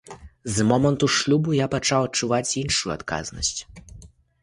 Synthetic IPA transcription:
zmɔmɐnt̪uʂlʲubujapat͡ʂawɐt͡ʂuvat͡sʲinʂujua̰t̪ka̰znɐ̰sʲt͡sʲ

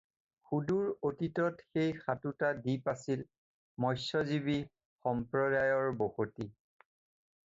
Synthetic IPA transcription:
xuduɹotitɔtxejxatutadipasil | mɔjsɔzibi | xɔmpɹɔdajɔɹboxoti

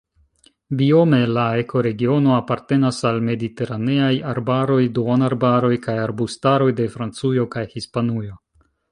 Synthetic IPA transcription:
bio̞me̞laekʰo̞ɾe̞ɡio̞no̞apaɾte̞nasalme̞dite̞ɾane̞ajaɾbaɾo̞jduonaɾbaɾo̞jkajaɾbustaɾo̞jde̞fɾant͡sujo̞kajhispanujo̞

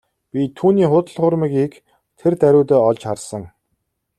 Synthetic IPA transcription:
pʲit̪ʰuːniːχʊt̪ə̆ɮχʊrmĭkik | t̪ʰert̪æɾʲʊːt̪ɔːɔɮt͡ɕχarsə̆ŋ

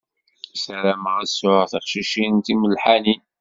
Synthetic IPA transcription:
sæɾæmʁəsʊʁθəχʃiʃinnt̪iməlħani

